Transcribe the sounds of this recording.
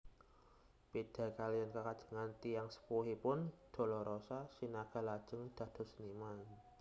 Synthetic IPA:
pid̥a̤kalijankəkad̥ʒ̥ə̥̤ŋant̪ijaŋsə̥puɦipʊnd̪̥ɔ̤lɔɾʔosasinaɡ̥a̤lad̥ʒ̥ə̤ŋd̪̥ä̤d̪̥ɔ̤səniman

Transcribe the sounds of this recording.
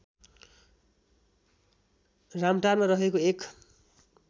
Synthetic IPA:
ramʈarmaɾʌɦekoek

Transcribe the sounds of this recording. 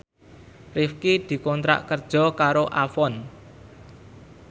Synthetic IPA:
rɪfkid̪̥i̤kɔnt̪ɾa̰ʔkərd̥ʒ̥ɔ̤kaɾoʔafɔn

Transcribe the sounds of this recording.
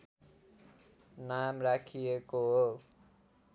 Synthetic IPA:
namrakʰijekoɦo

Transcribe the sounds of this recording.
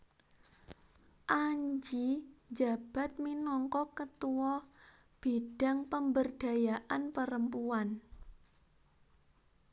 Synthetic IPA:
ʔaɲd͡ʒid͡ʒa̤b̥a̤t̪̚minɔŋkɔkət̪uwɔ | b̥eɖ̥a̤ŋpəmbərd̥ä̤jaʔanpəɾəmpuan

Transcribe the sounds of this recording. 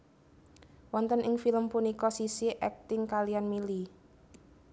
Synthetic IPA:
wɔnt̪ənʔɪŋfiləmpunikɔsisiʔɛk̚t̪ɪŋkalianmili

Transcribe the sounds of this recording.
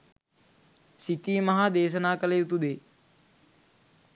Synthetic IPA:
sit̪iːmɐɦaːd̪eːs̬ɐnaːkɐleːut̪ud̪eː

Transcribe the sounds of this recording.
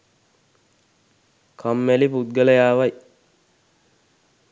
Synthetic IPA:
kʰamːæliput̪̚ɡələjaːʋaj

